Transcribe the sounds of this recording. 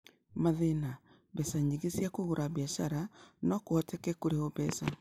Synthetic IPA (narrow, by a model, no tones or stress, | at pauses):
maðena | bɛsaɲiɣesiakoɣoɾʔaβiaʃaɾanɔkoɔtɛkɛkoɾeoβɛsa